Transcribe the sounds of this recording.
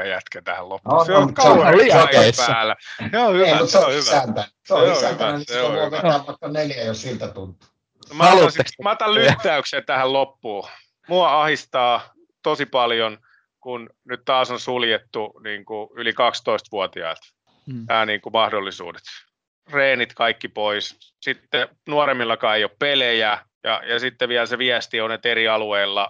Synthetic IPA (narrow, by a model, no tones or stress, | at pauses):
æjæt̪kæt̪æhællopːuseokɑueɑepæːlːæsohyæut̪seohyʋæænt̪æ | seoseohæyʋ̪æseõhʋeæːʋʋɑˑikːɑneljæjossilt̪æt̪unt̪ːˑi̥ | mɑɑnsmɑt̪ːɑllyt̪ːæykseːnt̪æhællopːuː | muɑɑhist̪ɑː | t̪osipɑljon | kun | nyt̪t̪ɑːsonsuljet̪ːuniːŋkuylikɑkst̪oist̪ʋuot̪iɑ̰ilt̪ | næːniːŋkumɑhdolːisṵːde̥t̪ | reːnit̪kɑikːipoissit̪ːe | nuoremːilːɑkɑːeijoppelejæ | jɑ̰jɑsit̪ːeʋiælseʋiæst̪ionːet̪eriɑlueːlːɑ